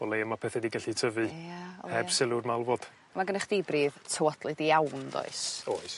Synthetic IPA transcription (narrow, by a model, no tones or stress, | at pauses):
ɔlejəmapʰɛθɛdiɡɛɬitʰəvɨhɛb̥sɪlˠʊrmalˠvɔd̥ | maɡənɛχd̥ibriːðtʰəwɔdlˠɨdiawndɔ̰ɨsoɨs